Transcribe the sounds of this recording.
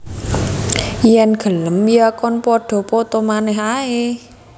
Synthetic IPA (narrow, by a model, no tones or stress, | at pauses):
jɛnɡ̥ə̤ləmijakɔnpɔɖ̥ɔ̤pɔt̪omanɛɦae